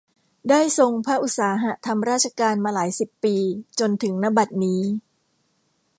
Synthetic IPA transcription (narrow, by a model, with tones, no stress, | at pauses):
daː˥˩jso˧ŋpʰa˦˥ʔu˨˩t̪̚saː˩˦ɦa˦˥t̪ʰa˧mɾaː˥˩t̪̚t͡ɕʰa˧kaː˧nmaː˧laː˩˦jsi˨˩pːiː˧t͡ɕo˧nt̪ʰɯ˩˦ŋna˦˥ba˨˩t̪̚niː˦˥